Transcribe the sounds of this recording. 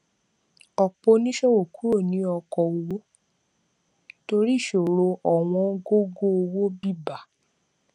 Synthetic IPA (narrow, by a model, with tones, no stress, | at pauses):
ɔ˨k͡po˧nĩ˦ʃɔ˦wo˨ku˦ɾo˦˨nĩ˨˦ɔ˧kɔ˧o˧wo˦ | to˧ɾi˦˨ʃo˨ɾo˧ʔɔ˨w̃ɔ̃˧˦ɡo˦ɡo˦o˧wo˦bi˦˨ba˨